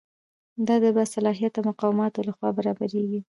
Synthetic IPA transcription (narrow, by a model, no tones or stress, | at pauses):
d̪ɑd̪əbasalɑɦijat̪awmʊqɑwɪmɑt̪olaxwɑbaɾɑbaɾeɡi